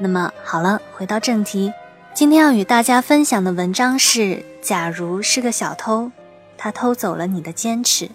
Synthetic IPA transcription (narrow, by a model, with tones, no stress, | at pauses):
na˥˩mə˩xɑ˨˩ʊlə˦xwe˧˥t̪ɑ˥˧ʊʈ͡ʂɤ˥˩ŋt̪ʰi˧˥ | t͡ɕi˥nt̪ʰjɛ˥njɑ˥˩ʊy˨˩t̪a˥˩t͡ɕja˥fə˥nɕjɑ˨˩ŋd̪ə˦wə˧˥nʈ͡ʂɑ˥ŋʂɻ̩˥˩t͡ɕja˨˩ɻu˧˥ʂɻ̩˥˩ɡə˩ɕjɑ˨˩ʊt̪ʰo˥ʊ | t̪ʰa˥t̪ʰo˥ʊt͡so˨˩ʊlə˦ni˨˩d̪ə˦t͡ɕjɛ˥nʈ͡ʂʰɻ̩˧˥